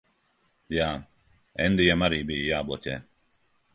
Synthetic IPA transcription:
ja | ɛ̰nd̪ijamaɾibijaːbɔt͡ʃɛ̰

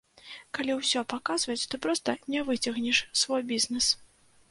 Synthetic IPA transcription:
kalʲiwsʲɔpakazvɐt͡sʲt̪ɔpɾɔst̪ɐnʲɛvɨt͡sʲɐɣnʲɛʂsvɔjbʲiznɛs

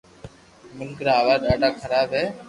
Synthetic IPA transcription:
mʊlkɾaːʋaːɗaːɖaːkʰəɾaːbɦɛː

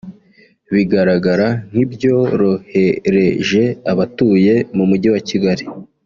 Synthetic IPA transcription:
βiɡaɾaɡaɾan̥hibɟo̞ɾo̞he̞ɾe̞ʒe̞aβatuːje̞mumuɟiwaciɡaɾi

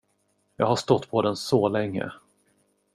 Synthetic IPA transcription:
jɑ̰ːɡɦaʂt̪ɔt̪ːpʰɔd̪ɛnsɔlɛŋːə̰

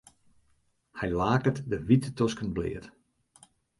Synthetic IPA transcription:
hɛjlaːkətdəʋitətɔskənblɪ̰ːət

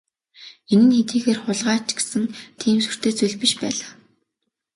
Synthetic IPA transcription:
enɘ̆nxet̪iːxeːrχʊɮʁaːt͡ɕɡe̥sɘ̆ŋt̪ʰiːmsu̥r̥t̪ʰeːt͡suɮʲpĭʃpæːɮḁː

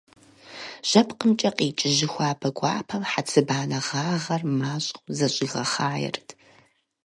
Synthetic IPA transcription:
ʑ̥ɐpʰqəmt͡ʃʼɐqiːt͡ʃʼɪʑɪxʷaːpʰɐɡʷʼɑ̰ːpʰɐmħat͡sʰɨbaːnɐʁaːʁɐrmaːɕʼχʷzɐɕʼɪɣɐχaːjɛ̰rtʰ

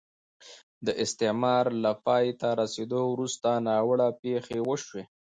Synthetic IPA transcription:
d̪əʔɪst̪ɪmɑɾlapɑjt̪aɾased̪owɾust̪anɑwəɽapexewəʃwe

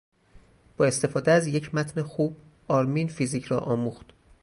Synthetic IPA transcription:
b̥ɒːe̞st̪e̞fɒːd̪eæzje̞cʰmæt̪ʰnexuːb̥̚ | ɒːɾminfiziːcʰɾɒːʔɒːmuːxt̪

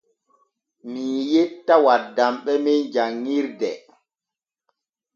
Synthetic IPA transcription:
mijetːawadːamɓɛmɛnd͡ʒaŋːiɾdɛ

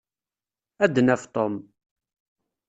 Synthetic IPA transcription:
æd̪ːənæft̪ˤom

